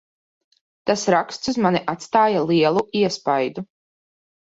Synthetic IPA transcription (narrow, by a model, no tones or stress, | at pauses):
t̪asɾakst̪suzmanʲiʔat̪st̪aːjalˠiɛlˠuʔiɛspajd̪u